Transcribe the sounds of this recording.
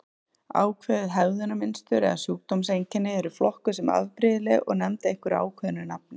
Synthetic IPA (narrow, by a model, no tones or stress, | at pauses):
a̰ːwkʰvɛːðʏðɦɛɣðʏnamɪnst̪ʏɾɛ̰ðasjuːk̚t̪ɔmsejɲcɪnːɪɛɾʏflɔhkʏ̥sɛma̰ðpɾɪːðɪlɛɣɔ̰ɣnɛmt̪ɪehkʏɾa̰ːwkʰvɛːðnɪnap̚nɪ